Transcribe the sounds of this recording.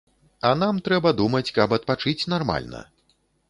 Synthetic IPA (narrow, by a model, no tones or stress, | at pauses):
ɐn̪amt̪ɾɛbɐd̪umɐt͡sʲkɐbɐt̪̚pat͡ʂɨt͡sʲnarma̰lʲnɐ̰